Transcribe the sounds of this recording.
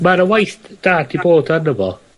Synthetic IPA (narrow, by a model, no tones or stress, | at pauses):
maɾəwajθd̥aːdiboːdanəvɔ